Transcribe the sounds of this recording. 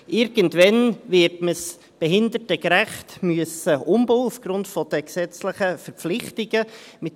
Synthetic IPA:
ʔɪɾɡ̥əntvɛnvɪɾtməs | b̥ɛɦɪnd̪ətəɡɾæχtmyəsəʔʊmboːufɡ̥ɾʊntfɔd̥əksɛt͡sləχəfəɾpp͡flɪχtɪɡəmɪt

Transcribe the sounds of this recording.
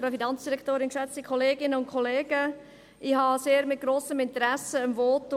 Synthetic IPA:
ɾəfinɑnt͡sd̥iɾɛkʰtoːɾɪnkʃɛt͡stikʰχoleːɡɪnəʊnt̚kʰχoleːɡ̥ə | ʔihɑseːɾmɪt̚ɡ̥ɾoːsəmɪnt̪əɾɛsəəmvoːtː

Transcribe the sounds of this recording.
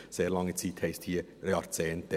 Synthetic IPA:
seːʁlɑŋːət͡siːthɛɪsthiːeɑʁt͡sɛːnt̪ɛ

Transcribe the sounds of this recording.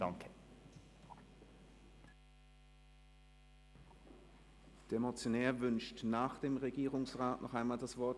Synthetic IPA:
d̥aŋkʰə | d̥ɛːɐmot͡sjonɛːɐvʏnʃtnaːχd̥eːmʁeɡiːʁʊŋsʁaːtnʔɔχaɪnmaːldasv̥ɔɐt

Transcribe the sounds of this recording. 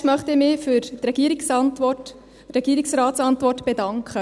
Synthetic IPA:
mœχtɪmɪfʏɾt̪rɛɡ̥iəɾiksɑntʋɔt | ɾɛɡ̥iːɾiksrɑːtsɑntʋɔrtb̥edɑŋkχə

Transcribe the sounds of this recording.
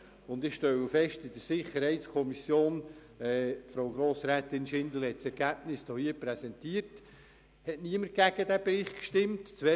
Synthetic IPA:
ʊndɪχʃtɛwəfɛʃtɪd̥əɾsɪχəɾhɛɪtskʰɔmisjoːn | ɛːfɾoʊɡɾoːsɾæːtɪnʃɪnd̪l̩hɛtsɛɾɡ̥æb̥nɪsd̥ɔhiəpɾɛsɛntiːəɾt | hɛtniəməɾ̚ɡ̥æɡ̥ədæːbɾɪχtkʃtɪmtt͡sʋɛ

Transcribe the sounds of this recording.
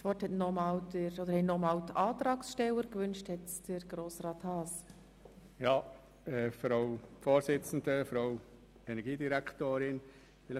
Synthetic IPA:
svɔthɛtnɔmɑːldəɾɔd̪əɾhɛtnɔmɑːltɑːtɾɑːksʃtɛləɾkvʏnʃthɛtd̥əɾɡ̥ɾoːsrɑːthɑːs | jɑː | ɛfɾɑʊfoːɾsɪt͡sn̩dəfɾaʊ | ɛnɛɡiːdiɾæktoːɾɪn | fɪlə

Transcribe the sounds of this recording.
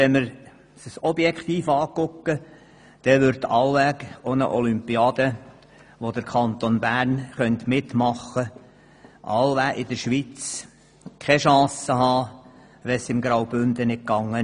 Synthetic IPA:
ɛməɾ | səsɔbjɛkχt̪iːfɑːkʊkːə | d̪̥ɛʋʏɾt̪ːɑwʋækonə̰ʔɔlympiɑːd̪̥ə | ʋod̪əɾkʰɑnt̪onbæːɾnχœnt̪mɪt̪mɑχːə | ʔɑ̰lʋæʔɪd̪əɾʃʋit͡s | kʰχɛʃɑ̃ːsəɦɑː | ʋɛsɪmɡɾawbʏnd̪ənɪt̚kɑŋːə

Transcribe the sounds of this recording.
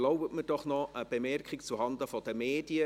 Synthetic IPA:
loʊbətməd̥ɔχnɔʔəb̥emɛrkɪkt͡suhɑndəfɔd̥əmeːdiə

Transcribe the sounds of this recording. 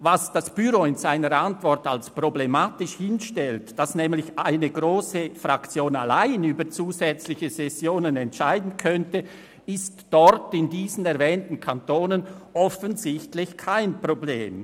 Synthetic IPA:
vasd̥asb̥yɾoɪnzaɪnəɾantv̥ɔʁtalspʁ̥oblɛmaːtɪʃhɪnʃtɛltd̥asnɛːmlɪçʔaɪnəɡʁoːsəfrakt͡sjoːna̰laɪnyːbət͡suːzɛt͡slɪçəzɛsjoːnənɛntʃaɪdn̩kʰœntə | ɪstd̥ɔɾtɪndiːzən̩ɛʁvɛːntn̩kʰantoːnənʔɔfənzɪçtlɪçkʰaɪnpʁ̥obleːm

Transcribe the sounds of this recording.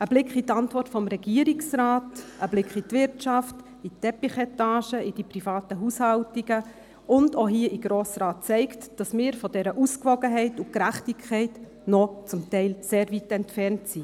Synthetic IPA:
əb̥lɪkχitɑntvɔrtfɔmɾɛɡiəɾiksɾaːtʔəblɪkχitʋɪɾtt͡ʃɑft | itɛpiχɛtɑːʃəid̥ipɾifɑːtəɦuːshɑltiɡə | ʊndoɦiəʔiɡ̥ɾoːsɾɑːt̚t͡sɛɪktd̥ɑsmɪːɾfɔdɛɾəʔuskʋɔɡəɦɛɪtukɾæχtikʰɛɪt | nɔt͡sʊmtɛɪlseːɾvitɛntfɛɾntsi

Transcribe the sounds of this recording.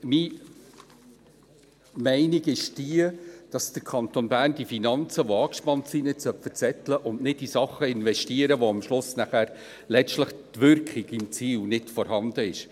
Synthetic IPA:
miː | mɛɪniɡɪʃd̥iəd̥ɑsd̥əɾkʰɑnt̪onbæːrndifinɑnt͡səʋoɑːkʃpɑntsinɪtsœpfət͡sɛt̪ləʔʊnnɪdisɑχːəɪnʋɛʃtiəɾəʋoɑmʃlʊsnæχæːɾ | lɛt͡ʃtləχtʋʏɾkχiɡɪmt͡siːlnɪtfɔɾhɑnd̥̪əɪʃ

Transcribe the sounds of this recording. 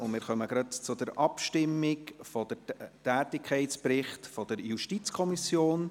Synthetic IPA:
ʊnmɪːɾχœməɡ̥ɾɑtt͡sʊdəɾɑpʃtɪmːɪkfɔd̥əɾtæːtɪkʰχɛɪtspɾɪχtfɔd̥əɾjuʃtit͡skʰɔmisjoːn

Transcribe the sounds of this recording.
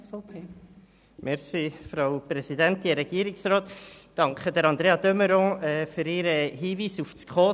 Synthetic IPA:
fpʰeː | mʔɛɾsifɾaʊpɾɛsidænt̪iɾɛɡ̥iːəɾɪksroːt̪d̥ɑŋkχədəɾɑnd̪ɾeːɑdøməɾɔ̃ːɛːfyɾɪɾəɦiːviːsufskʰoː

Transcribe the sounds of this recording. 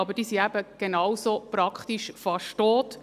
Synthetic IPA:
ɑbəd̥iːsiæbəɡ̥enɑwsopɾɑkχt̪iʃfɑʃtoːt

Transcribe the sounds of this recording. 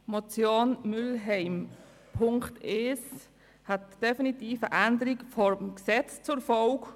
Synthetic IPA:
mɔt͡sjoːnmʏlɦɛɪm | pʰʊŋktɛes | hatd̥ɛfinitiːfəʔændəɾiɡfɔɾmksɛt͡st͡sʊfɔlk

